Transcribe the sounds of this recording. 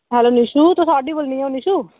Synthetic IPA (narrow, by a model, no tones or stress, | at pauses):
ɦɛloːniʃut̪osɔɖibəlnĩoniʃu